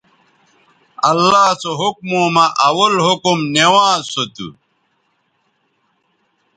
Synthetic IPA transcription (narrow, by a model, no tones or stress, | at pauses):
ɐlːaːsoɦuk̚moːmɐʔɐwɐlɦukumnewãːsot̪ṵ